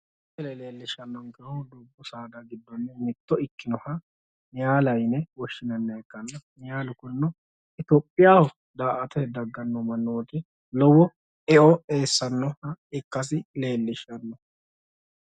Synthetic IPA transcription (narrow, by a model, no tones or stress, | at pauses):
t̪ɛlɛleːlːɪʃɐnːɔŋɡɛɾɔd̪uːbːʊsaːd̪ɐɡɪd̪ːɔnːɛmɪt̪ːɔɪkːɪnɔhɐ | nɪjaːlɐjnɛwɔʃːɪnɐnːɐɛkːɐnːɐnɪjaːlʊkʊnːɔ | ʔɪt̪ɔpʼːɪjaːhɔ | d̪aːʔɐt̪ɛd̪ɐɡːɐnːɔmɐnːoːk̪ɛ | lɔwɔ | ɛʔɔe̞ːsːɐnːɔhɐɪkːɐs̬ɪle̞ːlːɪʃɐnːɔ